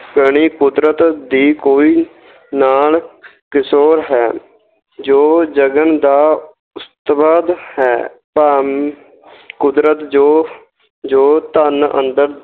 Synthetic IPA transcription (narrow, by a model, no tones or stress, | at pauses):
kəɳ̃iːkʊd̪ɾət̪d̪iːkoːiː | naːl | kɪsoːɾɦɛː | d͡ʒoːd͡ʒəɡənd̪aː | ʊst̪bəd̪hɛː | pa | kʊd̪ɾət̪d͡ʒoː | d͡ʒoːt̪ənə̰̃nd̪əɾ